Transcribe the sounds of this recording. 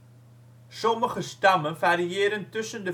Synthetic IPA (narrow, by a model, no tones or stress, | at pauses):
sɔməχəstɐməfæɾiiəɾəŋtəsəndə